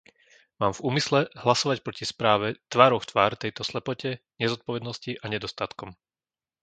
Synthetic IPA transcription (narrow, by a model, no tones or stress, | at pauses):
maːmvuːmislɛɦlasɔʋac̚pɾɔcispɾaːʋɛt̪ʋaːɾɔʊft̪ʋaːɾt̪ɛjt̪ɔslɛpɔcɛ | ɲɛzɔt̪̚pɔʋɛd̪nɔsciʔaɲɛd̪ɔst̪at̪kɔm